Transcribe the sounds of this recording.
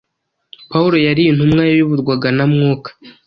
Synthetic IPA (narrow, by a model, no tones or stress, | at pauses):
pauɾo̞jaɾijin̥humŋajaβiβuɾɡwaɡanamŋoːkḁ